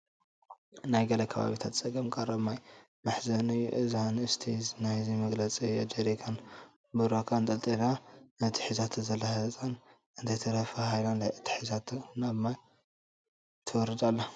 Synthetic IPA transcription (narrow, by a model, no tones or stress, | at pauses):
najɡɐlɐkʰɐβa̰βit̪ʰat̪t͡sʼɐɡɐmkʼɐrɐmaj | mɨħzɐnɨjuʔɨzhanɨst̪ʰinajzimɐɡlɐt͡sʼiɐd͡ʒeɾikʰan | bɨɾakʰant̪ʼɐlt̪ʼilanɨt̪ʰi̥ħizat̪ʰzɐlːɐhɨzt̪ʼan | ʔɨnt̪ɐjt̪ʰɐɾɐfɐhajlanlajʔɨt̪ʰːi̥ħizat̪ʰnaβmaj | t̪ʰɐwɔɾɨd̪alːa